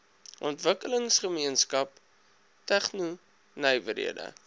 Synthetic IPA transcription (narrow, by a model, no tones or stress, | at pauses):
ʔɔntvəkələŋsχəmiənskɐp̚ | tæχnu | nəjvəɾḭədə̰